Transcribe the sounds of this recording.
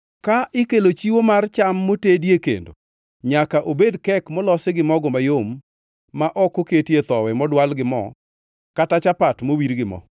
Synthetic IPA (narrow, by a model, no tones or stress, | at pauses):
kaʔɪkelot͡ʃiwomart͡ʃamːotedjekḛndo̰ | ɲakaʔobedkɛkmɔlɔseɡɪmɔɡɔmajomː | aʔɔkoketjet̪ɔwɛmɔdwalɡɪmɔ̰ | katat͡ʃapatmowiɾɡɪmɔ̰